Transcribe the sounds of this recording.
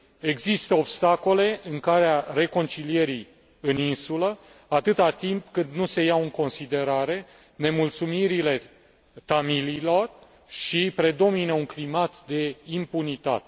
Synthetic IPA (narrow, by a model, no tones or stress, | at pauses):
e̞ɡzist̪əobst̪ako̞le̞ʔɨŋkaɾeare̞ko̞nt͡ʃilije̞ɾi | ɨninsulə | at̪ɨt̪at̪impkɨnd̪nuse̞jaɨŋko̞nsid̪e̞ɾaɾe̞ | ne̞mult̪sumiɾile̞ | t̪amiliːlo̞r | ʃipɾe̞d̪o̞minəuŋklimat̪d̪e̞impunit̪a̰t̪e̥